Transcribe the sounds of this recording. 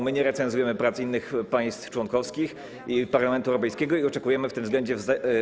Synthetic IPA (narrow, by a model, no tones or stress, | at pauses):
mɘɲɛɾɛt̪sɛnzujɛmɘpɾat̪sinːɘxpaj̃st̪ft͡ʂwɔŋkɔfskʲix | ipaɾlamɛnt̪uɛwɾɔpɛjskʲɛɡɔiɔt͡ʂɛkujɛmɘft̪ɘmzɡlɛɲd͡ʑɛvz